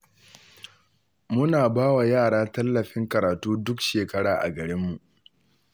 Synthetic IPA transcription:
mʊ˦naː˨baː˦wa˨jaː˦˨ɽaː˦tɐ˦lːɐ˨ɸɪ˦ŋkɐ˨ɾaː˨tuː˦dʊ˦kʃeː˨kɐ˦ɽaː˨ʔa̰˨ɡɐ˨ɾɪ˦mːu˨ʔ

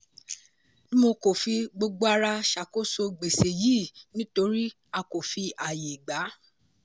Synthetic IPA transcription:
nĩ˦mo˧ko˨fi˧ɡ͡bo˧ɡ͡bo˦a˧ɾa˧ʃa˨ko˦so˧ɡ͡be˨se˨jiː˦˨nĩ˦to˧ɾi˦ | a˧ko˨fi˧a˨je˨ɡ͡ba˨˦

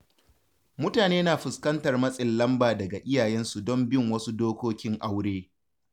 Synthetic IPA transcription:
mʊ˦taː˨neː˦naː˨ɸʊ˨skɐ˦ntɐ˨rmɐ˦sʼɪ˨lːɐ˦mbaː˨dɐ˨ɡa˨ʔɪ˦jaː˨jɛ˦nsu˨dɔ˦mbɪ˦ŋwɐ˦su˦doː˦kʷoː˦kʲɪ˦ŋʔa˦wɽeː˦

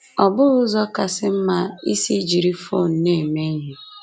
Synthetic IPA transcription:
ɔ˨bʊ˦ɾʊ˦zɔ˦ka˨sɪ˦m̩˦ma˦i˦si˦d͡ʒi˨ɾi˦fo˦˨n̩˦ne˦˨me˦ɲe˨

